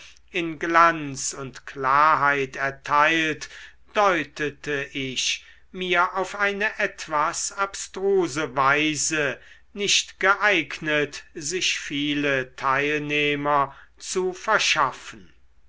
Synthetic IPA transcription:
ɪnɡlant͡sʊntklaːɐɦaɪtɛɐtʰaɪlt | d̥ɔʏtʰətəʔɪɕ | miːɐʔaʊfʔaɪnəʔɛtv̥asapstʁ̥uːzəvaɪzə | nɪʃtɡ̥əʔaɪɡnətzɪʃfiːlətʰaɪlneːmɐt͡sufɛɐʃafən̩

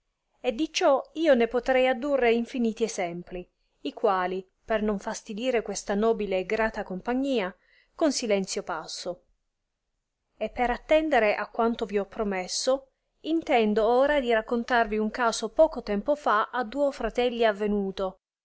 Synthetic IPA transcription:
ed̪ːit͡ʃɔiːonepot̪ɾɛjad̪ːurːeiɱfiniːt̪iɛzɛmpli | ikwaːli | pernoɱfast̪id̪iːɾekwest̪anɔːbileːɡɾaːt̪akompaɲːiːa | konsilɛnt̪sjopasːo | epːeɾat̪ːɛnd̪eɾeʔakːwant̪oviɔpːɾomesːo | int̪ɛnd̪ooːɾad̪iɾakːont̪arviuŋkaːsopɔːkot̪ɛmpofaʔad̪ːuːofɾat̪ɛlːiavːenuːt̪o

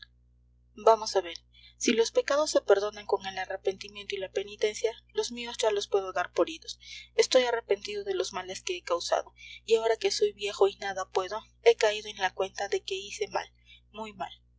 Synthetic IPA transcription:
bamo̞saβe̞ɾ | silo̞spe̞kaðo̞sːe̞pe̞ɾðo̞naŋko̞ŋe̞lare̞pe̞nt̪imjent̪oilape̞nit̪e̞nsjalo̞zmio̞zd͡ʒalo̞spwe̞ð̞o̞ðaɾpo̞ɾiðo̞se̞st̪o̞jare̞pe̞nt̪iðo̞ðe̞lo̞zmale̞skeekawsa̰ðo̞iao̞ɾake̞so̞jβje̞xo̞inaðapwe̞ðo̞ | e̞kaiðoe̞nlakwe̞nt̪aðe̞ke̞ise̞ma̰l | mujma̰l

